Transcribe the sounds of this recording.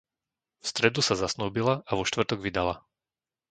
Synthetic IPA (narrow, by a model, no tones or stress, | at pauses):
fst̪ɾɛd̪usazasnuːbilaʔaʋɔʃt̪ʋr̩t̪ɔɡʋid̪ala̰